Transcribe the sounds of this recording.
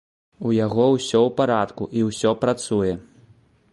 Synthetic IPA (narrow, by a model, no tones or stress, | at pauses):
ujaɣɔwsʲɔwpaɾat̪kuʔiwsʲɔpɾat̪sujɛ